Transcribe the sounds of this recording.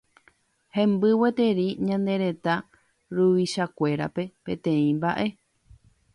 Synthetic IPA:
hẽ̞mbɨwet̪e̞ɾiɲãnd̪e̞ɾe̞t̪a | ɾuʋiʃakʷe̞ɾa̰pe̞pẽ̞t̪ẽ̞ĩmbaʔe̞

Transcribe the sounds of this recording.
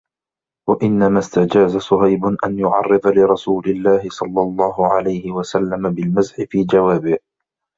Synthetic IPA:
waʔɪnːamaːst̪ad͡ʒaːzasʊɦajbʊnʔanjʊʕɑ̰rˤːɨd̪ˤɑlɪɾˤɑsuːlɪlːaːhɪsˤɑlːɑlˤːɑːɦʊʕalajhɪwasalːamabɪlmazħɪfiːd͡ʒawaːbɪh

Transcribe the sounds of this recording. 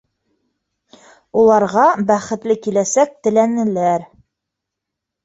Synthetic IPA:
ulˠɑɾʁɑbæχɘ̆t̪lɘkilæsæk̚t̪ɘ̆lænɘ̆læɾ

